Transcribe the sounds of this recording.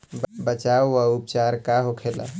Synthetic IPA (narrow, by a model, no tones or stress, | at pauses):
bbət͡ʃawːaupt͡ʃaɾkaɦokʰela̰